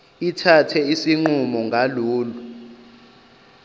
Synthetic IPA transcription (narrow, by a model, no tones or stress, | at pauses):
itʰatʰɛisiŋ͡ǃumɔŋɡʱaluːlu